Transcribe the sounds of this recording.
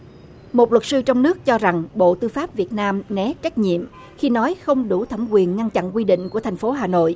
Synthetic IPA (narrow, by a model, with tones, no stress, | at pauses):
mo˨˩t̚lwə˨˩t̚sɨ˧t͡ɕɔ˧wŋ͡mnɨ˦˥ək̚t͡ɕɔ˧za˨˩ŋɓo̰˧˨t̪ɨ˧faː˦˥p̚vi˨˩ət̚naː˧mnɛ˨˦t͡ɕa˦˥jk̟̚ɲḭ˧˨əm | xi˧nɔ˨˦jxə˧wŋ͡mɗu˧˩t̪ʰə˧˩ŋ͡mkwi˨˩ənŋa˧nt͡ɕa̰˧˨nkwi˧ɗḭ̈˧˨ŋ̟ku˧˩ət̪ʰa˨˩jŋ̟fo˨˦ɦaː˨˩no̰˧˨jʔ